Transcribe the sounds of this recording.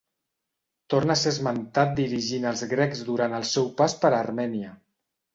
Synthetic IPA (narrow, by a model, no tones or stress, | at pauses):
t̪ornəsezmənt̪at̪̚d̪iɾiʒinəlˠzɣɾɛkzd̪uɾant̪əlˠsɛwpaspəɾːrmɛniə